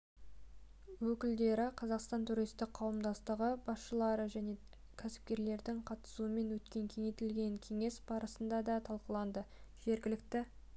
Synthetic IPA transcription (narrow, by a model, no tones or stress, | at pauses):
wɵkʲɪld̪e̞ɾɪqʰɑzɑqst̪ɑnt̪ʰuɾijst̪ɪk̚qʰːɑwəmd̪ɑst̪əʁəbɑsʃəlˠɑɾəʒæne̞ | kʲʰæsɪ̥p̚kʲe̞ɾle̞ɾd̪ɪŋqʰɑt̪ə̥suəme̞nwɵt̪kʲe̞ŋkʲʰe̞ŋe̞t̪ɪlɡʲe̞ŋkʲʰe̞ŋe̞sbɑɾəsənd̪ɑd̪ɑt̪ʰɑlˠqəlˠɑnd̪əʒ̥e̞ɾɡʲɪlɪkt̪ɪ